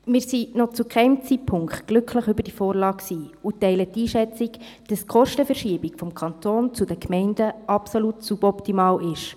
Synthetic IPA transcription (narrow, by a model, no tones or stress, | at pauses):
mɪːɾsinɔt͡sukχɛɪmt͡sitpʰʊŋkχtɡ̥lʏkʰləχʏbəɾd̥ifoːɾlɑːksiːutɛɪlət̪ːiːʃɛt͡sik | d̥ɑskχɔʃtəfɛrʃiːbikfɔmkʰɑnt̪oːnt͡sudəkmɛɪnd̥əɑpsolutsubɔptimɑːlʔɪʃ